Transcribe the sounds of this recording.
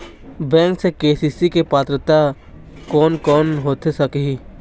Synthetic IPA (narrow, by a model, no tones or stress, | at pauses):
bɛ̃ːŋksekeːsiːsikepaːt̪ɾət̪a | kɔːnkɔːnɦoːt̪esɐkɦi